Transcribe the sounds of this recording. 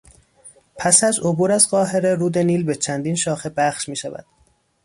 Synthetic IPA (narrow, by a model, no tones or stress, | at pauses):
pʰæsæzobuːɾæzɢɒːɦe̞ɾe̞ɾuːd̪e̞niːlbet͡ʃʰænd̪iːnʃɒːxe̞bæχʃmiːʃævæ̰d̪̥